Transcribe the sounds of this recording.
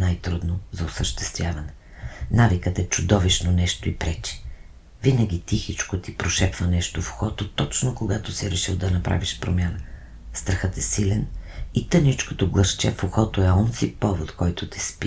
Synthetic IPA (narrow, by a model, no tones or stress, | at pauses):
najt̪ɾud̪nozɐʊsəʃt̪ɛ̥st̪vʲjavɐnɛ | navikət̪ɛt͡ʃʊd̪ɔviʃnonɛʃt̪oipɾɛt͡ʃi̥ | vinəɡʲit̪ixit͡ʃkot̪ipɾoʃɛpvənɛʃt̪ofo̥xɔt̪ot̪ɔt͡ʃnokoɡat̪osiɾɛʃilˠd̪ɐnɐpɾa̰viʃpɾomʲanə | st̪ɾəxət̪ɛsilɛnit̪ənit͡ʃko̥t̪oɡlˠəʃt͡ʃɛfoxɔt̪oɛɔnsipɔvot̪kɔjt̪ʊt̪ɛ̥spi